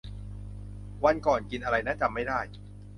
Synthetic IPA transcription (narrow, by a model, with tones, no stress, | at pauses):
wa˧nkɔː˨˩nki˧nʔa˧ɾa˧jnaː˦˥˩t͡ɕa˧mːa˥˩jdaː˥˩j